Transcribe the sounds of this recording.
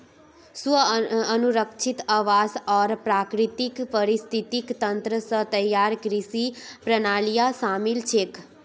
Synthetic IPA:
sʋəənuɾəkʃʰit̪aʋasɔɾpɾakɾit̪ikpəɾist̪ʰit̪ikt̪ənt̪ɾəsət̪əjːaɾkɾisipɾənaljasamilt͡ʃʰek

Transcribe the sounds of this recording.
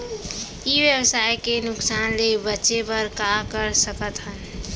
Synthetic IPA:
ibjəbsajkenʊksanlebətːʃepəɾkakəɾsəkət̪ɦən

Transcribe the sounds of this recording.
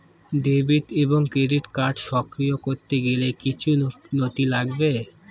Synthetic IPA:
d̪ebiʈ̪eboŋkɾeɖiʈkaɾɖʃɔkɾijokoɾt̪eɡelekit͡ɕʰunot̪ilaɡbe

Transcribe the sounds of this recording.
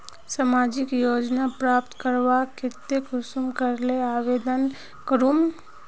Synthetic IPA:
samad͡ʒɪkjod͡ʒnapɾap̚t̪kəɾʋakɪt̪ːekʊsumkəɾleaːʋed̪ən | kəɾum

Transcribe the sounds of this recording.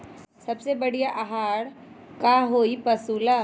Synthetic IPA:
sɐbsebɐɽijaʔaɦaːɽ | kaɦoːipɐsuːla

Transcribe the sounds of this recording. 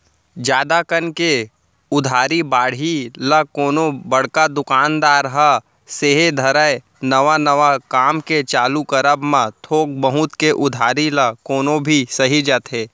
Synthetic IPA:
d͡ʒjaːd̪akənke | ʊd̪ʱaːɾibaːɽ̤iləkoːnobəɽ̤kad̪ʊkaːnd̪aːɾɦɐ | seɦed̪ʱɐɾae | nəʋanɐʋakaːmket͡ʃaːlukəɾəbmãt̪ʰoːk̚bəɦʊt̪keʔʊd̪ʱaːɾiləkoːnõbʱisɐɦid͡ʒaːt̪ɦeː

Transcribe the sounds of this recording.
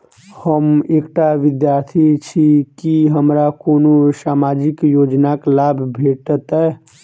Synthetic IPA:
həmekʈaʋid̪jaɾt̪ʰit͡ʃʰikiɦəmɾakonosamad͡ʒikjod͡ʒnaklabʱbʱeʈt̪ɛ

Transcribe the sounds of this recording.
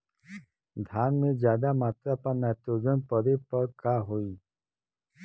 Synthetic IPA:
d̪ʱjaːnmẽzjaːd̪amaːt̪ɾapanɛːt̪oːd͡ʒənpəɾepəɾkaːɦoiː

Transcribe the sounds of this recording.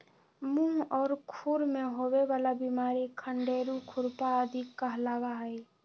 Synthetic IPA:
mũɔːɾkʰuɾmẽɦoweʋaːlabimaːɾikʰəɳɖeɾukʰʊɾpaəd̪ʱikːəɦlaːɡaɦəj

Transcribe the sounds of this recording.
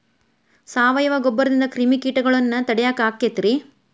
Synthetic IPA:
saːʋɐjɐʋɐɡɔbːɐɾɐd̪ind̪ɐkɾimikiːʈɐɡɐɭɐnːɐt̪ɐɽɛjaːkaːkːet̪ɾi

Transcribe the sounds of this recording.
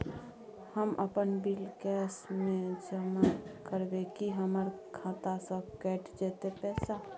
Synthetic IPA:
həmʔəpənbilkɛːsmẽd͡ʒəmakəɾbekiɦəməɾkʰãːt̪asə̃kɛːʈd͡ʒeːt̪epɛːsa

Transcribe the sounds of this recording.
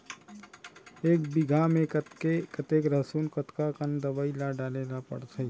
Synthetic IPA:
eːk̚bɪɡʱamẽkkekət̪eːkɾəsuːnkət̪kakənd̪əʋaːilaɖaːlelapə̰ɽt̪ʰəi

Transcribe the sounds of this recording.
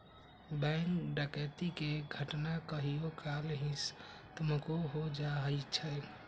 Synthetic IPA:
bɛŋkɖəkət̪ikeɡʱəʈnakəɦijokʰalɦĩst̪əmkoɦod͡ʒaɦəjt͡ʃʰɛ

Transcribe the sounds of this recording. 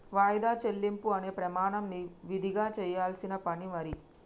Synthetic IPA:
ʋaːjd̪aːt͡ʃelːimpuɐne̞ːpɾɐmaːɳɐmniʋid̪ʱiɡaːt͡ʃɛːjaːlsinɐpɐɳimɐɾi

